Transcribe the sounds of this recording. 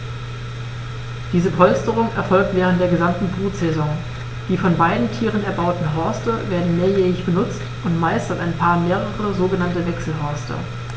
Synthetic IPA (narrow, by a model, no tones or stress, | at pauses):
d̥iːzəpʰɔlstəʁʊŋɛɐfɔlk̚tv̥ɛːʁ̞ən̩td̥eːɐɡəzamtn̩fʁuːtz̥ɛzɔŋ | d̥iːfɔnbaɪdn̩tʰiːʁənɛɐbaʊtn̩ɦɔɐstəveːɐdn̩neːɐjɛːɐɪçb̥ənʊt͡stʔʊntmaɪstɐtaɪnpʰaːɐmeːʁəʁəzoːɡənantəvɛksl̩ɦɔɐstʰə̰